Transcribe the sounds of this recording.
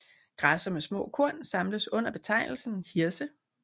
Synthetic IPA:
ɡ̥ʁasɐmesmɔ̰̽ːkʰo̝ɐ̰nsɑ̈mləsɔ̽n̰ɐb̥e̝t͡sʰɑ̈ɪnl̩sn̩hiɐsə

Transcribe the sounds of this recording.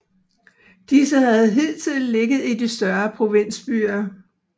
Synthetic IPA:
d̥isəhæð̞̩ˠɦe̝ðl̰t͡sʰið̰ˠn̩le̝ɡ̥ð̩ˠid̥isd̥ɶɐpʰʁo̝ʋe̝n̰sb̥y̰ːɐ

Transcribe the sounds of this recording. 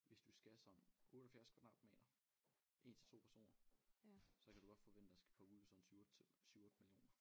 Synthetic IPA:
ʋe̝sd̥usɡ̥æsɒ̽mʔɔ̽ːɾ̥əhæl̩fæɐskʰːnɑ̈b̥mɛ̰ːɾɐ | ʔe̝̰ːnt͡sʰe̝lt͡sʰo̝̰ːpʰæɐso̝̰ːnɐ | sɒ̽kʰæd̥uɡ̥ɒ̽d̥fɒ̽ʋen̰d̥ədɑsɡ̥æ̥kʰɒuðˠsɒ̽sy̥syʊɔ̽ːd̥əmilijo̰ːnɐ

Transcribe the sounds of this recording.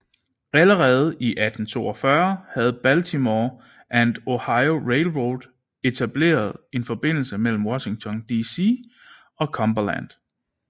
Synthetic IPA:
æləʁɛːð̞̩ˠiʔæd̥n̩t͡sʰo̝̰ːɒfɶɐhæð̞̩ˠb̥ælt͡sʰimɒ | ʔænd̥o̝hɑ̈ɪo̝ʁeɪlʁold̥ | e̝t͡sʰæb̥le̝̰ːɐð̞̩ˠe̝nfɒ̽b̥e̝n̰l̩səmel̰m̩wɒ̽ɕe̝ŋt͡sʰɒ̽nd̥isi | ɒ̽kʰɒ̽mb̥ɐlæn̰d̥

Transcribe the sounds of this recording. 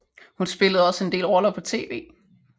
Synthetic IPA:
hunsb̥e̝ləð̞̩ˠɒ̽səe̝nde̝̰ːlʁɒ̽lɐpʰɒ̽t͡sʰe̝̰ːʋe̝̰ː

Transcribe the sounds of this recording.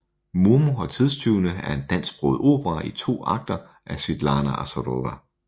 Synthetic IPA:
muɐmoɒ̽t͡sʰið̞ˠst͡sʰyʊnəæɐe̝nd̥æn̰sɡ̥̚b̥ʁɔð̩ˠo̝̰ːb̥əʁɑʔit͡sʰo̝̰ːɑ̈ɡ̥̚d̥ɐ | ʔæsʋid̥lɑ̈ːnæʔɑ̰sodoʋæ

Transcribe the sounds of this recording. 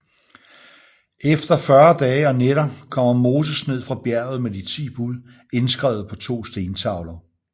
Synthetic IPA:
efd̥ɐfɶɐd̥ɛːɒ̽neɾ̥ɐkʰɒ̽m̰ɐmo̝ːs̬əsne̝ð̞̰ˠfʁɑ̈b̥jæɐ̰ð̩ˠmed̥it͡sʰḭːb̥uðˠ | e̝nsɡ̥ʁɛ̰ʊð̞̩ˠpʰɒ̽t͡sʰo̝̰ːsd̥e̝ːnt͡sʰɑ̈ʊlɐ

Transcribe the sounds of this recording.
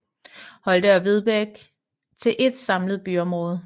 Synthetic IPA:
hɒ̽ld̥əɐʋe̝ð̞ˠb̥eɡ̥ | t͡sʰe̝lʔe̝d̥sɑ̈mləð̞̩ˠb̥yɒ̽mʁɔːð̞̩ˠ

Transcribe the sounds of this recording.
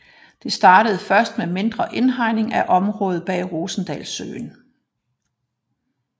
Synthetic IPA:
d̥e̝sd̥ɑ̈ːɾ̥əð̞̩ˠfɶɐsd̥meme̝nd̥ʁɐʔe̝nɦɑ̈ɪne̝ŋæʔɒ̽mʁɔ̽ːð̩ˠb̥ɛ̰ːʁo̝ːsn̩d̥ɛːlsø̰ːn

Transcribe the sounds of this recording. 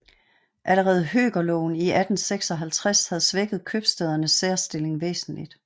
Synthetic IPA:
ʔæləʁɛːð̞̩ˠɦø̰ːɡ̥ɐlɔʊn̩iʔæd̥n̩seɡ̥sɒ̽ɦælt͡sʰʁashæð̞̩ˠsʋeɡ̥ð̞̩ˠkʰøb̥sd̥eð̞ˠɐnəsːeːɐsd̥e̝le̝ŋʋḛːsn̩lḭd̥

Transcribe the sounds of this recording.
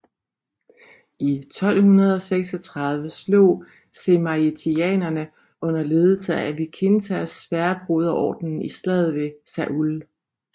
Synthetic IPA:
it͡sʰɒ̽l̰hunɐð̞̩ˠɒ̽seɡ̥sɒ̽t͡sʰʁɑ̈ð̞ˠʋəslo̝̰ː | semɑet͡sʰiɛ̰ːnɐnə | ʔɔ̽n̰ɐle̝ːðˠl̩səææbikʰensæsfæːɐb̥ʁoð̞ˠɐʔɒ̰ːd̥nn̩isd̥ɛðˠʋe̝sæʔul

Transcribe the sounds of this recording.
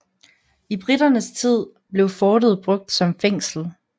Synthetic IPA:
ib̥ʁid̥ɐnəst͡sʰið̞̰ˠ | b̥le̝ʊfɒːɾəð̩ˠb̥ʁɔ̽ɡ̥̚d̥sɒ̽mfeŋ̰sl̩

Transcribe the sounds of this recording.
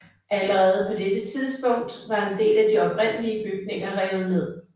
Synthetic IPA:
ʔæləʁɛːð̞̩ˠəpʰɒ̽d̥ed̥ət͡sʰiðˠsb̥ɔ̽ŋ̰d̥ʋɑ̈e̝nd̥e̝̰ːlæd̥iɒ̽b̥ʁen̰əliəb̥yɡ̥̚ne̝ŋɐʁɛːʊð̩ˠne̝ð̰ˠ

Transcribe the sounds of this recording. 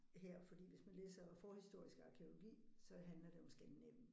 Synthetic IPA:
ɦeɐ̰fɒ̽d̥ḭːʋe̝smænlḛːsɐfɒːhisd̥o̝ɐ̰isɡ̥əɑ̈kʰe̝o̝lo̝ɡ̥ḭːsɒ̽ɦænlɐd̥e̝ɒ̽msɡ̥ænnem̰n̩

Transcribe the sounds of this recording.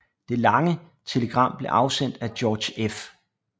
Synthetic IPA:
d̥e̝lɑ̈ŋə | t͡sʰe̝ləɡ̥ʁɑ̈m̰b̥le̝ʔɑ̈ʊsen̰d̥æd̥jɒːd̥ɕef

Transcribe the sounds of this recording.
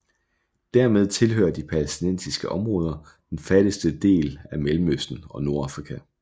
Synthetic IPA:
d̥æɐmeð̞ˠt͡sʰe̝lɦø̰ːɐd̥ipʰælesd̥inen̰sisɡ̥əʔɒ̽mʁɔ̽ːð̞ˠɐ | d̥enfæɾ̥əsd̥əd̥e̝̰ːlæmelm̩øsd̥n̩ɒ̽no̝ɐɑ̈fʁikʰæ

